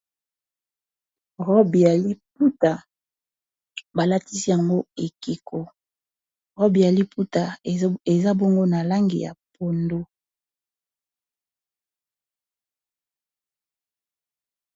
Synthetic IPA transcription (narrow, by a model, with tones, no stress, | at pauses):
ʁɔ˦bi˨ja˨li˦p̚u˦ta˨ | ba˨la˦ti˦si˦ja˨ŋɡo˦e˨ki˨kʰo˦ | ʁɔ˦bi˨ja˨li˦pu˦ta˨e˨za˦bo˦ŋɡo˦na˨la˦ŋɡḭ˨ja̰˨po˨ndo˦